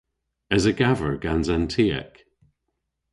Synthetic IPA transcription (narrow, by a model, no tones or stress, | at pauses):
ɛzəɡavəɹɡ̥anzantʰiːə̰k